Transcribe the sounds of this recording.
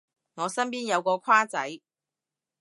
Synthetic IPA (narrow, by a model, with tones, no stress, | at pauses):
ŋɔː˨˧sɐ˥npiː˥njɐ˨˧wkɔː˧kʷʰwaː˥t͡sɐ˨˥j